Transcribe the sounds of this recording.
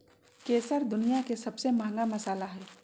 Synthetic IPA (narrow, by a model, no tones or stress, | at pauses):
keːsəɾd̪ʊnijakesɐbsemãːŋɡamɐsaːlaɦɛː